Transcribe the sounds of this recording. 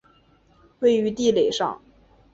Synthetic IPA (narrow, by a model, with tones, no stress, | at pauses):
we˥˩ɪy˧˥t̪i˥˩le˨˩ɪʂɑ̰˥˩ŋ